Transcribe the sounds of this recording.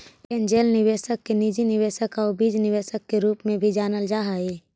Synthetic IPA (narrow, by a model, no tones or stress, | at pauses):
end͡ʒeːlnɪʋeːʃəkːenid͡ʒinɪʋeːʃəkaobid͡ʒnɪʋeːʃəkːeɾuːpmẽbʱid͡ʒaːnəld͡ʒaːɦae